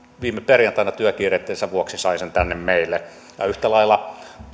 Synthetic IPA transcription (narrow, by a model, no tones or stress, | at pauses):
ʋiːmeperjɑnt̪ɑinɑt̪yøkiːret̪ːeːnsæʋuoksisɑisent̪ænːemmeilːe | jɑ̰yht̪ælɑilːɑ